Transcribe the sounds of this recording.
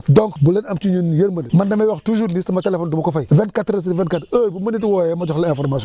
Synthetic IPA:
doŋkbulenamt͡ʃuɲunjeɾmɐnimandamewaxtuzuɾnisimatelefondumakofajvɛnkatɾas̬iivɛ̃nkatəbumənitiwojɛmad͡ʒɔxlẽfɔɾmaso

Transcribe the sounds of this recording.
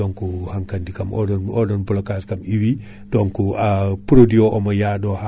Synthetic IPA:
ɔŋkuhaŋkandikamɔ̰dɔɔdɔnbɔlɔkaskamiwi | dɔŋkuapuɾodiɔʔɔmajaɗɔha

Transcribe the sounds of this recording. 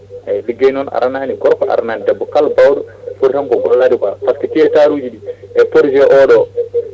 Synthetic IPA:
ʔajliɡejnɔna̰ɾananiɡɔɾkɔʔa̰ɾananidɛbːɔkalbawɗɔfuɾtamkɔɡɔ̰lːadikapaskitiɛtaɾud͡ʒiɗiɛpoɾd͡ʒɔʔɔɗɔ

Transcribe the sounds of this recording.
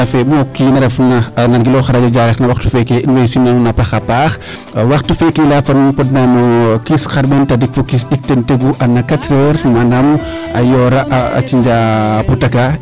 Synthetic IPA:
ɐfɛmɔkːinɐɾɛfnɐnɐnɡilɔxɐɾad͡ʒɐd͡ʒaːɾɛxnɐwɐxtufɛkeinwejsinnɐnunɐpɐxɐpaːx | wɐxtːufɛkelafɐnpɔdnanukisxɐɾbɛntɐdik̚fokisdik̚tenteɡuʔɐnːɐkɐtɾəɾmɐnɐm | ɐjɔːɾɐʔɐ̰t͡ʃiɲd͡ʒaːputɐka

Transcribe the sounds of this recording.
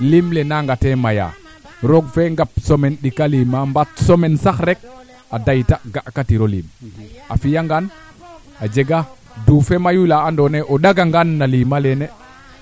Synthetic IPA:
limlenaŋɡatemaja̰ | ɾoɡfeŋɡap̚somenɗikalimambatsomensaxɾek̚ | adajtaɡaʔkatiɾolḭːma̰fijaŋɡan | ad͡ʒeɡa | duːfemajulaːndoneʔoɗaɡaŋɡanːalimalene

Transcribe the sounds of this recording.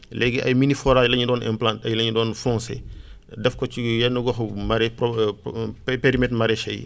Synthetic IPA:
lɛɡiʔɐ̰jminifɔɾajlɐɲidɔːnɛ̰mplãntɐjlɐɲdɔːnfɔ̃ŋsɛ̰ | dɛfkɔt͡ʃijɐnːuɡɔxmaɾɛpɔ | peɾimɛtmɐɾɛʃɐj̰

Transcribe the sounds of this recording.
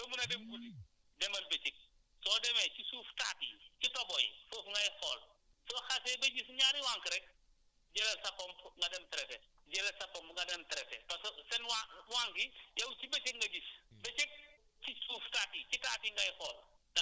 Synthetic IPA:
dɐmunɐdɛmkuli | dɛmɐlbɛt͡ʃik̚ | sɔdɛmɛcisuːftatḭcitɐbɔj̰sɔːfŋɡɐjxɔːl | sɔːxasɛbɐɟisɲaːɾiwaːŋkɾɛk̚ | ɟɛlɐlsɐpːɔmpŋɡɐdɛmtɐɾɛfɛ | ɟɛlɐlsɐpɔmŋɡɐdɐmtɾɛfɛpɐssɛnwawaːŋɡijɐwt͡ʃibɐt͡ʃik̚ŋɡɐɟisbɛt͡ʃik̚ | t͡ʃisuːftaːticitaːtiŋɡɐjxɔːldɐ

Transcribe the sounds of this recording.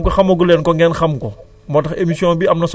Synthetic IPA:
kɔxɐmɐɡulɛnkɔŋɡɛnxɐmkɔ | mɔtɐxemisiɔ̃ːnbiɐmnɐs

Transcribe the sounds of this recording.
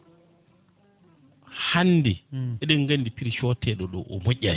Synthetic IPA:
hanːdiɛɗɛŋɡandipiɾiʃɔtʰɛɗɔɗɔʔɔmoʔʲːaj

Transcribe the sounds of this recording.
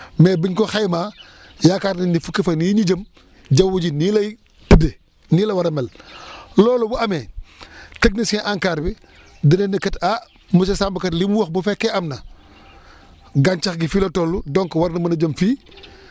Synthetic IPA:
mɛːbiɲkɔxajmaː | jaːkaɾninifukːifɐniɲiɟɐm | ɟɐwːuɟinilɐj | tude | niːlɐwɐɾɐmɛllɔːlɔbuɐmɛː | tɐɡ̚nisiʔaŋkaːɾbi | dɐnɛnikɐta | musɛsambɐkɐtlimwuxbufɛkːɛʔɐmnɐ | ɡant͡ʃɐxɡifilɔtɔlːudɔŋkwɐɾnɐmɐnɐd͡ʒɐmfiː

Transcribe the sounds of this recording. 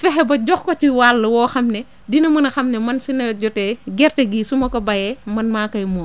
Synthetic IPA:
fɛɦɛbɐɟɔxkɔt͡ʃiwaːlːɐwɔːxɐmnɛ | dinɐmɐnɐxɐmnɛmɐnsinɐjɔɟɔtɛɡɛrteɡisumɐkɔbɐjɛmɐnmaːkɐjmɔːn

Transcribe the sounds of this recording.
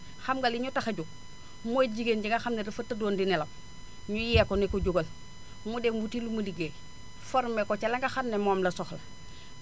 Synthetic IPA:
xamɡaliɲutaxaɟuk̚ | moɟiɡenɟiŋɡaxamnedifatːadoːndinelɐm | ɲujiakonekoɟuɡol | mudemutilumuliɡe | foɾmekot͡ʃalaŋɡaxanːemoːmlɐsoxla

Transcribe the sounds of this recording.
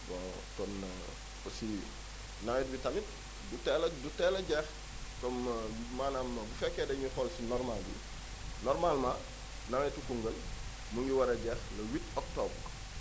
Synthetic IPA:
bɔ | kɔn | kosi | naŋɛt̚bitɐmit̚ | dutɛlɐdutɛlɐɟɛx | kɔmmaːnambufɛkːɛdɐɲixɔlsinɔɾmalbḭ | nɔɾmalma | naŋɛtukuŋɡəl | muŋɡiwɐɾɐɟɛxlɐwitɔk̚tɔb

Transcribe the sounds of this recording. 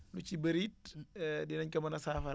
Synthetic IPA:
lut͡ʃibɐɾiːt̚dinɐɲkɐmɐnɐsaːfɐ

